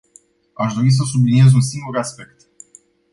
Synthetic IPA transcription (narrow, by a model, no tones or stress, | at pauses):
aʃd̪o̞ɾis̬əs̬ublinie̞zunsiŋɡuɾaspe̞k̚t̪